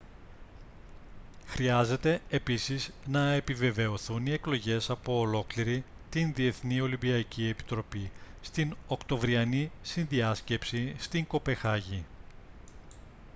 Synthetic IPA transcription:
xɾiɐze̞t̪e̞ːpisiznɐe̞pive̞ve̞o̞θunie̞klo̞ʝe̞sɐpo̞ːlo̞kliɾi | t̪inðie̞θnio̞limbiɐcie̞pi̥t̪ɾo̞pist̪ino̞kt̪o̞vɾiɐnisinðiɐsce̞psist̪iŋko̞pe̞xɐʝi

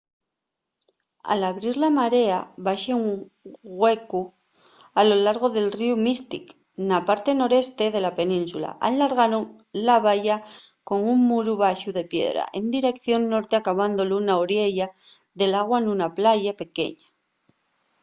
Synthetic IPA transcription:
a̰laβɾiɾlamaɾe̞aβaʃeuŋ | ɣwe̞ku | alo̞laɾɣ̞o̞ðe̞lriumist̪ḭk | napaɾt̪e̞no̞ɾe̞st̪eðe̞lape̞nĩnsula̰ʔalːaɾɣ̞aɾoŋ | laβaʝako̞ŋuŋmuɾuβaʃuðe̞pje̞̰ðɾa̰ʔe̞nd̪iɾe̞kθjo̞nːo̞ɾt̪eakaβand̪o̞lunaoɾje̞ʎaðe̞laɣ̞wanunaplaʝape̞ke̞̰ɲa

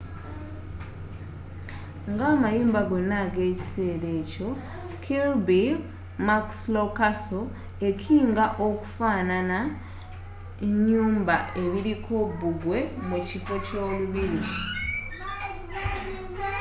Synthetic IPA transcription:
ŋɡamajuːmbaɡenaɡe̞ːci̥se̞ːɾe̞ːco̞ | kʰilbi | makslokaso | e̞cʰiːŋɡaʔoku̥fanana | eɲːuːmbaʔe̞βiɾikʰobuɡwe̞mucifo̞co̞ːluβiɾi

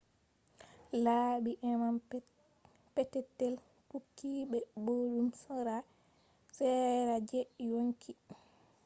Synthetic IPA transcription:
laːɓiʔɛmam | pɛtɛtːɛl | pukːiːɓɛbodumsɔɾa | sɛɾad͡ʒɛjoŋkʰi

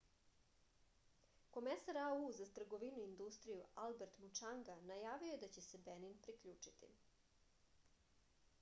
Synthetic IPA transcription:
ko̞mesaɾauzat̪r̩ɡo̞ʋinuind̪ust̪ɾijualbeɾt̪mut͡ʃaŋɡanajaːʋio̞jed̪at͡ɕe̞sebeninpɾikʎuːt͡ʂi̥t̪ḭ

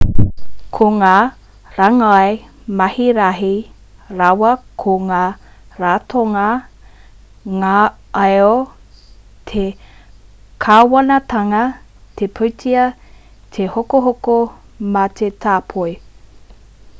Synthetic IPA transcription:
kʰoŋaː | ɾaŋae | mɐhiɾɐɦi | ɾawɐkʰoŋaː | ɾaːtʰoŋɐ | ŋaɐo | t̪ʰe | kʰawɐnɐt̪ʰɐŋɐ | t̪ʰepʰətʰiɐ | t̪ʰehokoɦoko | mɐt̪ʰetʰaːpʰoj

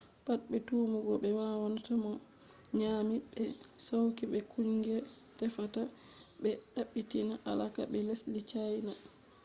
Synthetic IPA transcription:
pat̚ɓɛtuːmuɡɔɓɛwawanatamɔ | ɲaːmiɓɛsawkiɓɛkuɲɡɛ | tɛfataɓɛɗaɓːitinaʔalakaɓɛleslit͡ʃajna

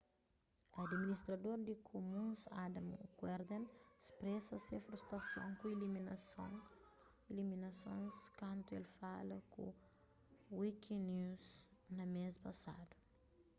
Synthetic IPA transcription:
ad̪minist̪ɾɐd̪oɾd̪ikʰomũsad̪ɐmkwɛɾd̪ẽnspɾɛsɐsẽfɾust̪ɾɐsõ̰ŋkũilimin | iliminɐsõ̰nskɐ̃nt̪uelfalɐkṵ̃ | wikĩnuznɐmespɐsa̰d̪u̥

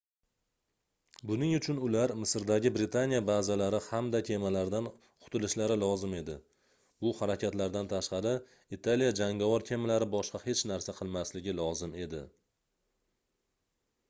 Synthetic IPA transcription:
bʊnɪŋʊt͡ʃʰʊnʊlaɾmɪsɾd̪aɡʲɪbɾɪt̪ʰanijabazalaɾɪhamd̪akʲʰe̞malaɾd̪an | qʰʊ̥t̪ʰɪlɪʃlaɾɪlˠɒzɪme̞d̪ɪ | bʊhaɾakʲʰat̪laɾd̪ant̪ʰaʃqɑɾɪ | it̪ʰalijad͡ʒaŋɡavɒɾt̪ʲʰe̞malaɾɪbɒʃqɑhe̞t͡ʃnaɾsaqʰɨlˠmaslɪɡʲɪlˠɒzɪme̞d̪ɪ̰

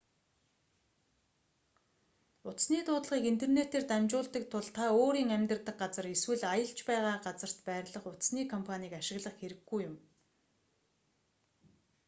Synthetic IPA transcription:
ʊt̪sniːt̪ʊːt̪ɮʁiːkint̪ʰernet̪eːrt̪æmt͡ɕʊːɬt̪ə̆k̚t̪ʰʊɮt̪ʰaoːɾiːŋæmʲt̪ə̆rt̪ə̆k̚ɢat͡sə̆reswɘ̆ɮajə̆ɬt͡ɕpæːʁaːɢat͡sə̆r̥t̪pæːrɮə̆χʊt̪sniːkʰɔmpʰaniːkaʃɪ̆ɣɮə̆χxeɾɘ̆ɡːujʊm

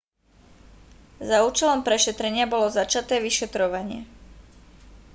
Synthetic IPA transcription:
zauːt͡ʃɛlɔmpɾɛʃɛt̪ɾɛɲɪabɔlɔzat͡ʃat̪ɛːʋiʃɛt̪ɾɔʋaɲɪɛ̰

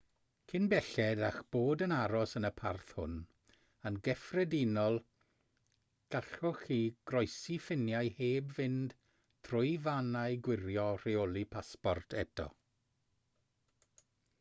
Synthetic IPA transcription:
kʰɪnbɛɬɛdaxb̥oːdənaɾɔsənəpʰarθhʊ̰n | ənɡɛfrɛdinɔlˠ | ɡ̥aɬɔχiːɡ̥rɔjsifɪnjajheːbvɪnd̥ | tʰrʊjvanajɡwɪɾjɔr̥eolˠipʰaspɔrtʰɛtʰɔ̰

